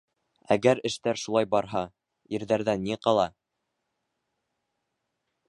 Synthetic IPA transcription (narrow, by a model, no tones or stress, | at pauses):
æ̰ɡæɾɘ̆ʃt̪æɾʃulˠɑjbɑɾɦɑ | ĭɾðæɾðænːiqɑlˠɑ